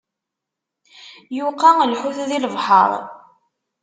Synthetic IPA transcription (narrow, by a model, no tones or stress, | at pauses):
juqaəlħuθðiləvħə̰ɾˤ